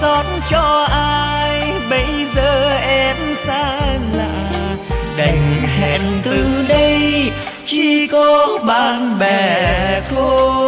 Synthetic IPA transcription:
sɔ˨˦tnt͡ɕɔ˧ʔaː˧jɓə˧˦jzəː˧˨ʔɛ˧msaː˧˥˧la̰ː˧˨ | ɗə˨˩jŋɦɛ̰˧˨nt̪ɨ˨˩ɗə˧j | t͡ɕi˧kɔ˨˧˦ɓaː˧˨nɓɛ˧˨˩t̪ʰu˧

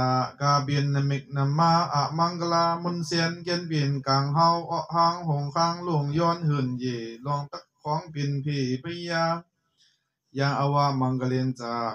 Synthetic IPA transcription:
a˧kaː˧be˧nːa˧me˧˨k̚na˧mːaː˧˩ʔa˧ʔma˧˨ŋka˧laː˧mu˧˥˨nsɛ˧nkɛ˧˨nbe˨nkaː˨ŋɦa˧˥˨wʔɔ˧ʔhaː˧˥˨ŋho˧˨ŋkʰaː˧˥˨ŋlo˧˩ŋjɔː˧˥˨nhɯ˧˩˨nje˨˩lɔ˧˨ŋt̪a˦˥k̚kʰːɔː˧˦ŋbi˨npʰeː˧˩pʰɯ˧˦jaː˧ | jaː˧ŋʔa˧waː˧ma˧ŋka˧le˧nt͡saː˧

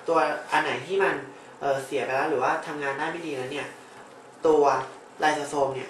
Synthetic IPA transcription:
t̪u˧ɐʔa˧nːa˩˦jt̪ʰiː˥˩ma˧n | ʔɤː˨˩si˨˩˦pa˧lɛ˦˥wɾɯː˩˦waː˥˩t̪ʰa˧mŋaː˧ndaː˥˩jma˥˩jdiː˧lɛː˦˥wni˥˩ɐ | t̪u˧ɐ | la˧sa˧sʰoː˧mni˥˩ɐ

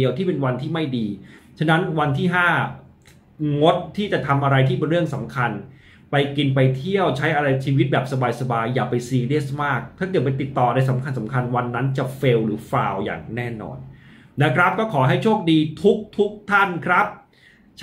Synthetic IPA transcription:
əwt̪ʰiː˥˩pe˧nwa˧nt̪ʰiː˥˩ma˥˩jdiː˧t͡ɕʰa˥˩na˦˥nwa˧nt̪ʰiː˥˩ɦaː˥˩ | ŋo˦˥t̪̚ʰːiː˥˩t͡ɕa˨˩t̪ʰa˧mʔa˧ɾa˧jt̪ʰiː˥˩p̬e˧nɾɯ˥˩əŋsa˩˦mkʰa˧n | pa˧jki˧npa˧jt̪ʰi˥˩əwt͡ɕʰa˦˥jʔa˧ɾa˧jt͡ɕʰiː˧wi˦˥t̪̚bɛː˨˩p̚sa˧baː˧jsa˧baː˧jːaː˨˩pa˧jsiː˧li˥˩smaː˥˩k̚t̪ʰaː˥˩kɤ˨˩t̪̚pe˧nt̪i˨˩t̪ːɔː˨˩˧daː˧jsa˩˦mkʰa˧ns̬a˩˦mkʰa˧nwa˧nːa˦˥nt͡ɕa˨˩fe˧wɾɯː˩˦fɾaː˧wja̰ː˨˩ŋnɛː˥˩nɔ̰ː˧nː | a˦˥kʰɾa˦˥p̚kɔː˥˩kʰɔː˩˦ɦa˥˩jt͡ɕʰoː˥˩k̚diː˧t̪ʰu˦˥k̚t̪ʰu˦˥k̚t̪ʰa˥˩nkʰɾa˦˥p̚ | t͡ɕʰ

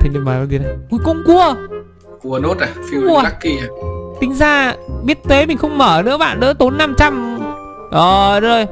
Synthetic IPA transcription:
t̪ʰi˨˩nḭ˧˨˩mɓaː˨˩la˨˧˩zi˨˩na˨˩jku˨˦kʊ˧˩ŋ͡mku˧ə | ku˧˩əno˦˥t̚ʔa˨˩fi˧˦˧ə˧˨a˦˥kːi˧˩a˨˩t̪ï˨˦ŋ̟zaː˧˩ɓi˦˥ət̚t̪we˨˦mï˨˩ŋ̟xə˧wŋ͡mməː˧˩nɨ̰˧˥əɓa̰ː˧˨nɗɨ̰˧˥t̪o˨˦nːa˧mt͡ɕa˧m | ʔəː˨˩zəː˧˩j

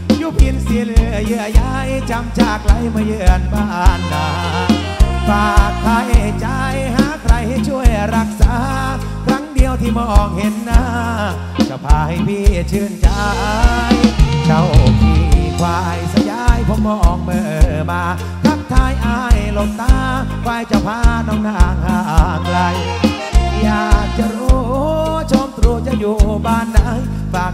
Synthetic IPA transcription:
juː˧˩pʰi˧nsi˧ljɯ˧˩˨ja˧˥˩jt͡ɕa˧mt͡ɕaː˨˩k̚la˨˦jma˧jɯ˧˩˨ə˨nbaː˧˩ʔaː˧˩nːaː˧˩ | faː˨˧˩k̚t̪ʰaː˧˥jt͡ɕaː˧jhaː˧˥˦kʰɾa˧˩jha˧˥˩jt͡ɕʰu˥˩əjɾa˦˧˩k̚saː˨˧˦ | kʰɾa˦˥ŋdi˧əwt̪ʰiː˧mɔː˧˩ʔɔː˨˩k̚he˨˧˦nːaː˧˥ | ka˧˩pʰaː˧˩ha˧˩jpʰiː˧˩˧t͡ɕʰɯː˧˩nt͡ɕa˧jt͡ɕa˧˩wʔi˧˩˧kʰwaː˧˩˧jsa˧jaː˧˩jpʰo˧˦mːɔː˧˩ʔɔː˨˩k̚mɤː˧˩ʔɤː˧˩˧maː˧ | kʰɾa˦˥ŋ̚t̪ʰaː˧˩jʔaː˧˩jlo˧˩t̪̚ːaː˧˦ | kʰwaː˧˩jt͡ɕa˧˩wpʰaː˧nɔː˧˥ŋnaː˧˩˨ŋhaː˧˩ʔa˨˧˩ŋɾa˧˩j | jaː˨˩k̚t͡ɕa˧˨ɾo˧˦˧t͡ɕʰoː˧mt̪ɾu˧t͡ɕa˧juː˨˧˩ʔbaː˧˩nːa˧˥j | faː˨˩k̚

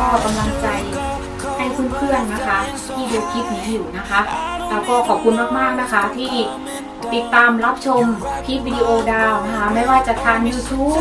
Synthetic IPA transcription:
kɔː˥˩ka˧mla˧ŋt͡ɕa˧j | ʔa˥˩jkʰu˥˩pʰɯ˥˩ənːa˦˥kʰa˦˥ | t̪ʰiː˥˩di˧pʰi˦˥p̚ːi˨˩juː˧˩˨na˦˥kʰa˦˥lɛː˦˥˩wkɔː˥˩kʰɔː˨˩p̚kʰu˧nmaː˥˩k̚maː˥˩k̚na˦˥kʰa˦˥t̪ʰiː˥˩ | t̪i˨˩t̪ːaː˧mɾa˦˥p̚t͡ɕʰo˧mpʰi˦˥p̚wiː˧di˧ʔoː˧daː˧wna˦˥kʰa˦˥ma˥˩jwaː˥˩t͡ɕa˨˩t̪ʰaː˧ŋjuː˧t̪ʰuː˦˥p̚

